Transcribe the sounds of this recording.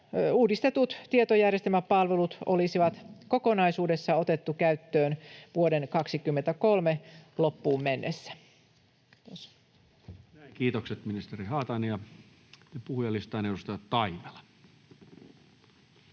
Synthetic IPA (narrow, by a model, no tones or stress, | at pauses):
uːdist̪e̞t̪ut̪t̪iet̪ojærjest̪elmæppɑlʋelut̪o̰lisiʋɑt̪ko̞ko̞nɑisuːde̞sːɑo̞t̪e̞t̪ːukæyt̪ːøːnʋuode̞nkɑksikymːent̪æko̞lmelo̞pːuːmmenːesːæ̥ | os | kiːt̪okset̪minist̪erihɑːt̪ɑnijɑ | nepuhujɑlːist̪ɑːnedust̪ɑjɑtt̪ɑime̥lɑ̥